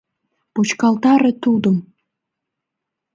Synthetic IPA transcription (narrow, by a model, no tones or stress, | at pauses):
put͡ɕkɑlt̪ɑɾet̪ud̪ə̆m